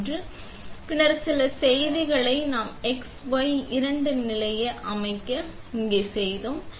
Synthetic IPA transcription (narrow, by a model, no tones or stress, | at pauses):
drɯ | pɪɳɐɾsɪlɐsɛjðɪɣɐɭɐɪnaːmɛksʋɐjɪɾɐɳɖɯnɪlɐjɐʔɐmɐɪkːɐ | ɪŋɡeːsɛjðoːm